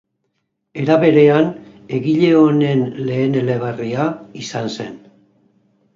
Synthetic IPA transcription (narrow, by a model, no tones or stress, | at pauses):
e̞ɾaβe̞ɾe̞an | e̞ɣiʎe̞o̞ne̞nle̞ːne̞le̞β̞ariaisanse̞̰n